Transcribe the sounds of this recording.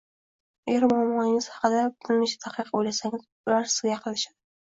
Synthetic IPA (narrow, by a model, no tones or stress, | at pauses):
eɾmʊamːɒnɪŋɪz̥hɑ̥qɨd̪abʊt̪ʰɪnmɪʃt̪ʰaqɨqʰojlasaŋʲɪz | ʊlaɾsɪzɡʲaqʰɨlˠɪʃad̪ɪ